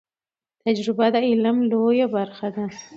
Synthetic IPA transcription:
t̪ad͡ʒɾɪbad̪aɪlamlojabaɾxad̪a

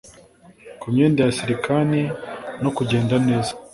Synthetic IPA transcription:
kumɲeːndajasiɾikanino̞kuɟe̞ːndane̞ːzḁ

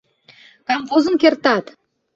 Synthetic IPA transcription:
kɑmqozəŋkʲeɾt̪ɑt̪

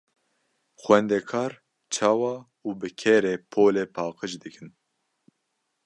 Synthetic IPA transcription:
xwɛnd̪ɛkʰɑːɾ | t͡ʃʰɑːwɑː | uːbɨkʰɛɾeːpʰoːleːpʰɑːqɨt͡ʃd̪ɨkʰɨn

